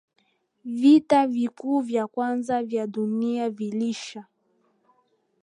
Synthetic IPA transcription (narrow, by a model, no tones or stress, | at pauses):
vitavikuːvjakwanzavjaɗuniaviliʃa